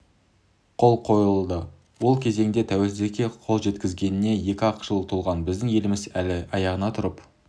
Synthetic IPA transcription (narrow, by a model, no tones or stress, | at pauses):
qʰo̞lˠqʰo̞jəlˠd̪ə | wo̞lˠkʲʰe̞ze̞ŋd̪et̪ʰæwelszekʲe̞qʰolˠʒe̞t̪kʲɪzɡʲe̞nɪne̞je̞kʲɪɑqʒ̥əlˠt̪ʰulˠʁɑnbɪzd̪ɪŋje̞lɪmɪzælɪɑjɑʁənɑt̪ʰʊɾəp